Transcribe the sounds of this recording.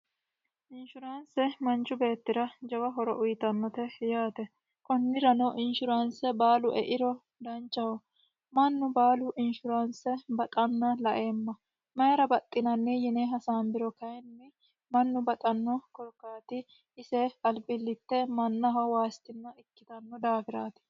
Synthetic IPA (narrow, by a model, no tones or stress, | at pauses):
ʔɪnʃʊɾansɛmɐnt͡ʃːʊbe̞ːt̪ːɪɾɐd͡ʒɐwɐɦɔɾɔ̰ʔʊjt̪ɐnːɔt̪ɛjaːt̪ɛ | kʼɔnːɪɾɐnɔʔɪnʃʊɾansɛbaːlʊʔɛ̰ʔɪɾɔ | d̪ɐnt͡ʃʼːɐwɔ | mɐnːʊbaːlʊʔɪnʃʊɾansɛbɐt̪ʼɐnːɐlɐʔe̞ːmːɐ | mɐjɐɾɐbɐt̪ʼːɪnɐnːɛjɪneɦɐsaːmbɪɾɔkɐjɛnːɛ | mɐnːʊbɐt̪ʼɐnːɔkɔlkːaːt̪ɪ | ɪsɛɐlpʼɪlːɪt̪ːɛmɐnːɐɦɐwaːst̪ɪnːɐɪkːɪt̪ɐnːɔd̪aːfɪɾaːt̪ɪ̥